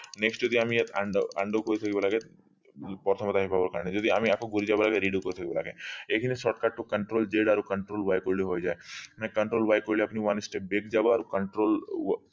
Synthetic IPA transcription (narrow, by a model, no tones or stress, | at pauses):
neksʈd͡ʒɔd̪iamiet̪aɳɖa̰ɳɖokɔɾit̪ʰəkibalaɡe | pɔɾt̪ʰəmɔt̪aɦibabɔɾka̰ɾned͡ʒɔd̪iamiakõɡuɾid͡ʒabalaɡeɾiɖjukɔɾit̪ʰəkibla̰ɡeekʰinesɔʈkaʈːokəɳʈɾoːld͡ʒeɖaɾokəɳʈɾoːlʋajkɔɾliɦojd͡ʒaenãkɐɳʈɾoːlʋajkɔɾliapniʋɐnsʈep̚bekʰd͡ʒabaaɾokɐɳʈɾoːl